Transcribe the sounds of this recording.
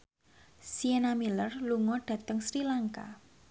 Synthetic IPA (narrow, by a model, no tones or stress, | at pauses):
sienamilərluŋɔɖ̥ä̤t̪əŋsɾilaŋka̰